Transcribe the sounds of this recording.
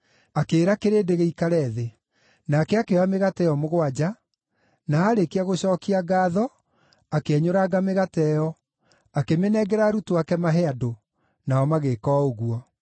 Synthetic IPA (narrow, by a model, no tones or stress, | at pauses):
akeːɾakeɾedeɣeikaɾɛðe | naːkɛakewameɣatɛjɔmoɣwad͡ʑa | naaːɾekeaɣoɕɔːkiaɡaːðɔ | akeɛɲoɾaɡameɣatɛjɔ | akemenɛɡɛɾaɾutoakɛmaɦɛado | naɔmaɣeːkɔːoɣuɔ